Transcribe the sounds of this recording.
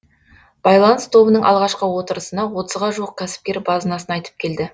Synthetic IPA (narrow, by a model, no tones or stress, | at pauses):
b̥ɑjlˠɑnst̪ʰo̞bənəɴʔɑ̰lˠʁɑʃqəwo̞t̪əɾəsənɑwo̞t̪əzʁɑʒuəq̚kʲʰæsɪ̥p̚kʲe̞ɾbɑzənɑsənɑjt̪əp̚kʲʰe̞ld̪ɪ